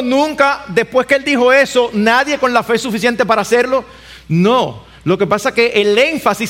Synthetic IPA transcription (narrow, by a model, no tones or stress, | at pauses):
nũŋkad̪e̞spwe̞skeeld̪ixo̞e̞so̞naðjeko̞nlafe̞sufisje̞nt̪e̞paɾaːseɾlo̞ | no | lo̞ke̞pasake̞ʔele̞ɱfasi